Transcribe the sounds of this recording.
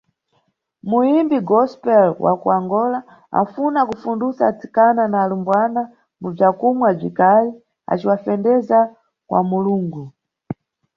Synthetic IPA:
muimbiɡɔspɛlwa̰kṵaŋɡɔla | a̰funakufundusat͡si̥kananaːlumbwana | mub͡ʐakumwab͡ʐikali | a̰t͡ʃiwafɛndɛza | kwʔa̰muluːŋɡu

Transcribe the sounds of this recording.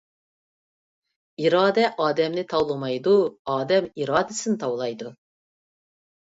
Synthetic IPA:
iɾɑːd̪ɛʔɑːd̪ɛmnɪt̪ʰɑwlˠɨmɑjd̪uɑːd̪ɛmiɾɑːd̪ɪsɨnt̪ʰɑwlˠɑjd̪u

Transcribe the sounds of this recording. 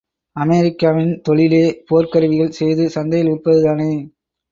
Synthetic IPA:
ɐmeːɾɪkːaːʋɪnt̪ɔɭɪleːpoːɾkɐɾɯʋɪɣɐɭsɛjðɯsɐnd̪ɐjɪlʊʈpːɐðɯðaːneː

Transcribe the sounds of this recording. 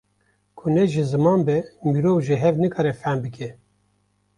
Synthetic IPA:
kʰʊnɛʒɨzɨmɑːnbɛmiːɾoːvʒɨɦɛvnɨkʰɑːɾɛfænbɨkʰɛ

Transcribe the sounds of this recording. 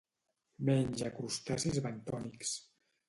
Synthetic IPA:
mɛɲʲʒakɾust̪asezβant̪ɔniks

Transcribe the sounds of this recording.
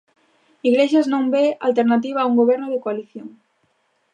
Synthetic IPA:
iɣleʃaznõŋbea̰lt̪eɾnat̪̬iβaːuŋɡoβɛɾnoð̞ekoaliθjoŋ

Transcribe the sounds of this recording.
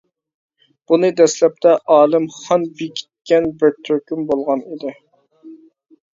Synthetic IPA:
b̥unɨd̪ɛslɛp̚t̪ʰɛʔɑːlˠɪmχɑnbekʲʰi̥t̪̚kʲɛnbɪɾt̪ʰøɾkʲymbolˠʁɑnid̪ɪ

